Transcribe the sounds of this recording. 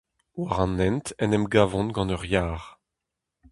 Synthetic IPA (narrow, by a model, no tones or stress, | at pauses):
waʁɑ̃nɛ̃nt̪ɛnɛmɡavɔ̃nɡɑ̃nœʁjaːʁ